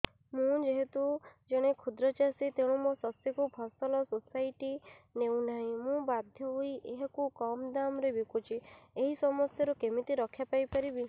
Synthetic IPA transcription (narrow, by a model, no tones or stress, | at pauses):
mũd͡ʒeɦet̪ud͡ʒeɽ̃ekʰud̪ɾɔt͡ʃasit̪eɽ̃ũmɔsɔst̪ikupʰɔsɔlɔsosajʈinewnaɦĩmũbad̪ʱjɔɦuiʔeɦekukɔmd̪amɾebikut͡ʃʰieɦisɔmɔst̪ʰjɔɾukemit̪iɾɔkʰːjapajpaɾibi